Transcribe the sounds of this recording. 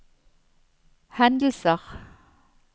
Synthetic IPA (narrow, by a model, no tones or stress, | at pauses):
hænd̪əlsɑχ